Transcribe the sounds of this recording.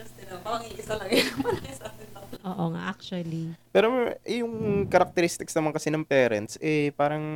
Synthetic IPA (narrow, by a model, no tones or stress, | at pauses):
ɐsɪnɐpɐɾɐŋiʔɪsɐlɐŋjʊnmɐlɪsaɐʔoːʔoŋa̰ʔak̚t͡ʃuɐlipɛːɾoʔɛjʊŋkɐɾɐk̚t̪ɛɾist̪ɪksnɐmankɐsɛnɐŋpɛːɾɐ̰nt̪̚sʔɛpaːɾɐŋ